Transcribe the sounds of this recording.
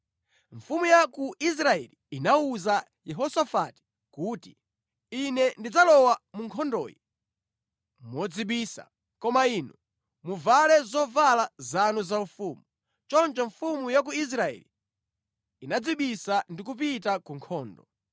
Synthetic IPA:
ɱfumujakuis̬ɾaɛ̰liinauza | jɛɦɔsɔfati̥ | kuːti̥ | inɛndid͡zalɔwamuŋkʰɔndɔ̰ːjɛ | mɔd͡ziɓiːsa̰ | kɔmainɔ | muvalɛzɔvalazanuzaufumu | t͡ʃɔnt͡ʃɔɱfumujak̬uis̬ɾaɛ̰li | inad͡ziɓisandik̬up̬itakuŋkʰɔːndɔ

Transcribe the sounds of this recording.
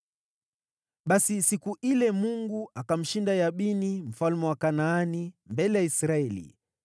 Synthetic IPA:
ɓasisikuʔilɛmuŋɡuakam̩ʃindajaɓinim̩falmɛwakanaːnimbɛlɛjaisɾaɛlḭ

